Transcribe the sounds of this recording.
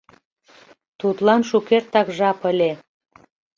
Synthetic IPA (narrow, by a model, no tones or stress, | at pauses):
t̪ut̪lɑnʃukert̪ɑkʒɑpəlʲe